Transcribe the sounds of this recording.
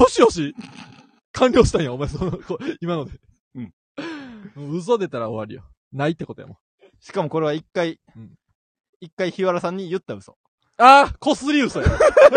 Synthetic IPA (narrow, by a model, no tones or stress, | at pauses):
joɕioɕ̬i | kʰãnʲɾʲo̞ːɕi̥t̪ãɰ̃jaomaesonkoimano̞d̪e | ɯ̟̃ɴ | ɯ̃ɯ̟s̬od̪e̞t̪aɾaoβaɾɯjo | nait̪ːe̞kot̪oja̰mo | ɕi̥kamo̞ko̞ɾe̞β̞aikːai | ɯ̟̃ | ikːaiçiβaɾasãɲ̟ːijɯ̟t̪ːaɯ̟so̰ | aːko̞sɨɾʲiɯ̟soja